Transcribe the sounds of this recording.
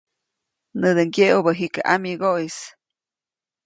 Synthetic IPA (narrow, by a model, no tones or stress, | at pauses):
nɨd̪əŋɡjeʔubəɦikaʔa̰miɡois